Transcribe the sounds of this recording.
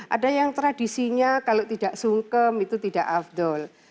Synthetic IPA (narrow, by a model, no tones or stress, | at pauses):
ʔa̰dajaŋt̪ɾadisiɲakalot̪idaʔsuŋkəmit̪ut̪idaʔafd̪ɔl